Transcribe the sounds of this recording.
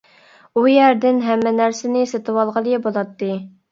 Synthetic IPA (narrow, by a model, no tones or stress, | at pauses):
ujæɾd̪ɪnɦɛmːɛnæɾsɪnɪset̪ɨwɑlˠʁəlˠɨjɛbolˠɑt̪ːɨ